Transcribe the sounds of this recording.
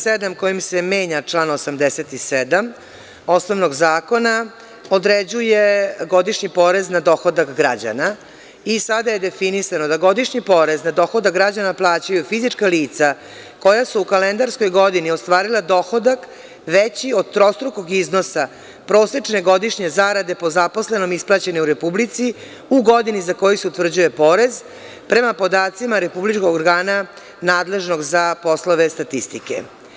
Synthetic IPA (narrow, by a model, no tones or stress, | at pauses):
sed̪amko̞jimseme̞ːɲat͡ʂlˠaːnosamd̪eset̪ised̪am | o̞snoʋno̞ɡzaːko̞na | o̞d̪ɾed͡ʑuje̞ɡo̞d̪iʂɲipo̞ɾeznad̪o̞xod̪akɡɾad͡ʑa̰na | isad̪aje̞d̪e̞finisano̞d̪aɡo̞d̪iʂɲipo̞ɾeznad̪o̞xo̞d̪akɡɾad͡ʑanaplˠaːt͡ɕajufizit͡ʂkaliːt̪sa | ko̞jasuukalend̪aɾsko̞jɡo̞d̪iniost̪ʋaːɾilˠad̪o̞xod̪ak | ʋet͡ɕiod̪̚t̪ɾo̞st̪ɾuko̞ɡiznosa | pɾo̞ːset͡ʂne̞ɡo̞d̪iʃɲe̞zaɾad̪e̞po̞zapo̞sle̞no̞misplˠat͡ɕe̞neuɾe̞publit̪si | uɡo̞d̪inizako̞jiseut̪r̩d͡ʑuje̞po̞ɾe̞z | pɾe̞mapo̞d̪aːt̪simaɾe̞publit͡ʃkoɡɡoɾɡaːna | naːd̪le̞ʒno̞ɡzapo̞slˠoʋe̞st̪at̪ist̪ikḛ